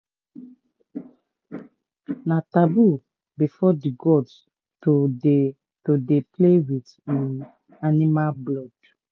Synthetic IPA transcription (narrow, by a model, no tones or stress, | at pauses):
natabu | bifɔdiɡɔd | toe | todeplewit | ĩn | animablɔd̥